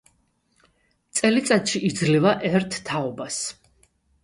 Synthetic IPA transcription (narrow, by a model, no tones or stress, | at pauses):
t̪sʼɛlit̪sʼat̪ʃiʔid̪zlivaʔɛɾt̪ʰːaɔbas